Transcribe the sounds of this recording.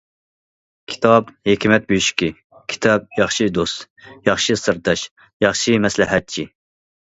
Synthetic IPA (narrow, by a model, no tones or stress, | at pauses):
kʲʰi̥t̪ʰɑbhekʲʰimɛt̪̚byʃkʲi | kʲʰi̥t̪ʰɑb̚jɑχʃid̪ost̪ | jɑχʃɨsɨɾd̪ɑʃ | jɑχʃimɛslɪɦɛt̪̚t͡ʃʰi